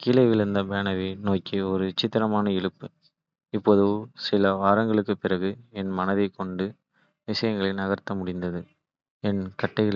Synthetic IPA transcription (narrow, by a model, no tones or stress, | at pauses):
kiːlɐɪʋɪɭnd̪ɐbeːnɐʋinoːkːiɔɾɯʋɪt͡ʃːɪt̪ːɐɾɐmaːnɐɪɻɯpːɯ | ɪpːoðɯʋsɪlɐʋaːɾɐŋɡɐɭɯkːɯpɪrɐɣɯɛnmɐnɐðɐɪkːɔɳɖɯ | ʋɪʂɐjɐŋɡɐɭɪnɐɣɐɾt̪ːɐmʊɽɪnd̪ɐðɯ | ɛnkɐʈːɐɪɣɐɭ